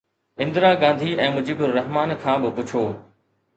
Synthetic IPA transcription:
ɪ̃nd̪ɪɾaːɡãːnd̪ʱiɛ̃ːmʊd͡ʑiːbʊɾːɐɦmaːnkʰãːbɪpʊt͡ɕʰoː

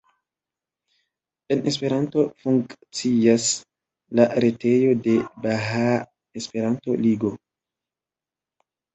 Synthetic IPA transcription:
e̞nʔe̞spe̞ɾanto̞fuŋkt͡sias | laɾe̞te̞jo̞de̞baɦa | espe̞ɾanto̞̰liɡo̞

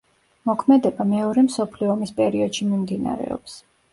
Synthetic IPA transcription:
mɔkʰmɛd̪ɛbamɛɔɾɛmsɔpʰliɔːmispʼɛɾiɔd̪̥ʃimimd̪ina̰ɾɛ̰ɔ̰ps

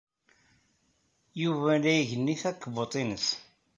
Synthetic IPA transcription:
juvælæjʝənːiθækːbot̪ˤinəs

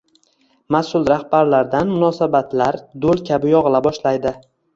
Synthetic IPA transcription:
masʊlˠɾahbaɾlaɾd̪anmʊnɒsabat̪laɾd̪olˠkʲʰabɪjɒʁɨlˠabɒʃlajd̪ɪ

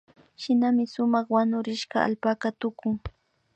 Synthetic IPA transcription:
ʃɪnamɪsʊmɑχwanʊɾɪʃɢɑa̰lpakat̪ʊkʊŋ

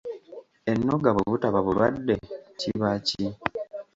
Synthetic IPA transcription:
e̞nːo̞ɡaβuβutaβaβuɾadːe̞ciβaci

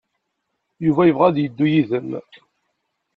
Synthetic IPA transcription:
juvæjəvʁæðjəd̪ːujiðəm

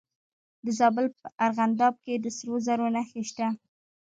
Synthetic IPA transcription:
d̪əzɑbəlpəʔaɾɣand̪ɑb̚ked̪əsəɾozaɾonaxeʃt̪a

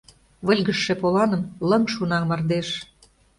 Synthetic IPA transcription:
βə̆lʲɣə̆ʃːĕpolɑnə̆mlə̆mʃunɑmɑrd̪eʃ

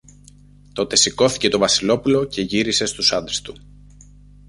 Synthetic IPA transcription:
t̪o̞t̪e̞siko̞θi̥ce̞t̪ovɐsilo̞pulo̞ce̞ʝiɾise̞st̪usɐnd̪ɾest̪u

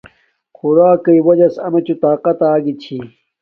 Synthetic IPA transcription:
xuɾaːkɐiwɐd͡ʑɐsɐmet͡ɕut̪aːqɐt̪aːɡit͡ɕʰi

